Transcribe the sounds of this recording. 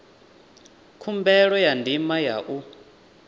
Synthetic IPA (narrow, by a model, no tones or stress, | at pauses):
kʰumbɛɺɔjandʱimaja̰ʔu